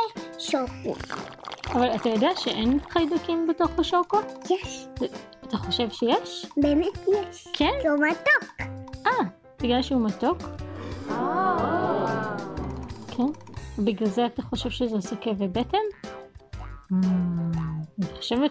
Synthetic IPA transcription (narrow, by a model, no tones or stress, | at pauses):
ʃokṵ | avalatajodeaʃeʔenχajdukimbeto̞χaʃoko | at̪aχoʃe̞vʃejeʃbeːmetjɛʃkʰenzumat̪okʔa | b̥iɡlalʃeumatok | kʰenbiɡlalzeataχo̞ʃe̞vʃezesokevebetem | niχoʃeve